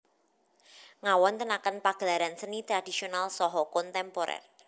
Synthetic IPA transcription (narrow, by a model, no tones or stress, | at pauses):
ŋawɔnt̪ənakənpaɡ̥əlaɾansənit̪ɾad̥isionalsɔɦɔkɔnt̪ɛmpoɾɛ̰r